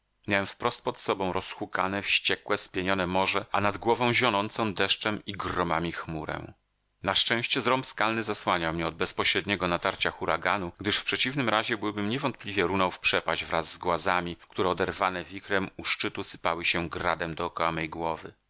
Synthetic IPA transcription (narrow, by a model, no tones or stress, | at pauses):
mʲjawɛmfpɾɔst̪̚pɔt̪sɔbɔ̃w̃ɾʔɔsxukanɛfɕt͡ɕɛkwɛspʲjeɲɔnɛmɔʐɛʔanad̪ɡwɔvɔ̃w̃ʑɔnɔnt̪sɔ̃w̃d̪ɛʂt͡ʂɛmiɡrɔmamʲixmuɾɛ̰m | naʂt͡ʂɛ̃w̃ɕt͡ɕɛzɾɔmpskalnɘzaswaɲawmɲɛɔd̪̚bɛspɔɕɾɛd̪ɲɛɡɔnat̪aɾt͡ɕaxuɾaɡanuɡd̪ɘʂfpʂɛt͡ɕivnɘmɾaʑɛbɘwbɘmɲɛvɔnt̪̚plʲivʲjɛɾunawfpʂɛpaʑvɾazːɡwazamʲik̚t̪uɾɛɔd̪ɛɾvanɛvʲikɾɛmuʂt͡ʂɘt̪usɘ̥pawɘɕɛɡɾa̰d̪ɛmd̪ɔːkɔwamɛjɡwɔvɘ̰